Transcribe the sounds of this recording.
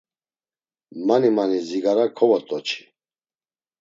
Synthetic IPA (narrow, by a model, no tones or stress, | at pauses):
manimaniziɡaɾakʰɔvɔt̪ʼɔt͡ʃʰi̥